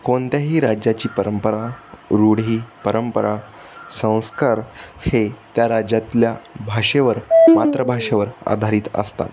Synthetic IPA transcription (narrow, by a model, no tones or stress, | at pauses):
koɳt̪jaɦiːɾad͡ʑjat͡ɕiːpəɾəmpəɾaɾuɽ̤iːpəɾəmpəɾa | sə̃w̃skaɾhet̪jaɾad͡ʑat̪ljabʱaʂeʋəɾmat̪ɾəbʱaʂeʋəɾa̰d̪ʱaɾiːt̪ə̰st̪a̰t̪